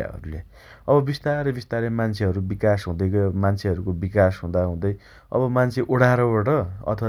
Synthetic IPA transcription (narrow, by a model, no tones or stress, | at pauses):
a̰ɦʌ̰ɾule | ʌbʌbist̪aɾʌbist̪aɾemant͡sʰeʌɾubikasɦũd̪ʌjkʌmant͡sʰeʌɾukobikasɦũd̪aɦũd̪ʌj | ʌ̰bʌmant͡sʰeʔoɽaɾʌbaʈʌʌ̰t̪ʰʌwa